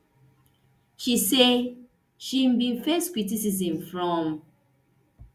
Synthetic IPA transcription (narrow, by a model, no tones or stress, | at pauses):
ʃise | ʃimbĩnfɛstkɹit̬is̬iz̬ĩmfɹɔ̃m